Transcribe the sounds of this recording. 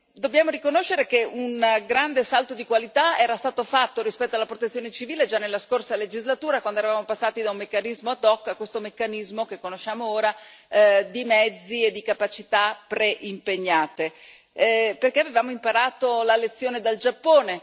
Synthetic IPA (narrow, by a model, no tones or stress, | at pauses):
d̪objaːmoɾikonoʃːeɾek̟eʔunɡɾand̪esalt̪od̪ikwalit̪aɛːɾast̪aːt̪ofat̪ːoɾispɛt̪ːoalːapɾot̪et̪sjoːnet͡ʃiviːled͡ʒanːelːaskorsaled͡ʒizlat̪uːɾakwand̪oɛɾavaːmopasːaːt̪id̪aumːekːanizmoad̪ɔkːakːwest̪omekːanizmokekːonoʃːaːmooːɾa | d̪imɛd̪zːied̪ːikapat͡ʃit̪apɾeʔimpeɲːaːt̪e | perkeavevaːmoimpaɾaːt̪olalet̪sːjoːned̪ald͡ʒapːoːne